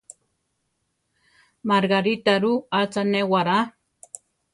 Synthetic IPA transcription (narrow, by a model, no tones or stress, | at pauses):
maɾɡaɾit̪aɾuat͡sanewaɾa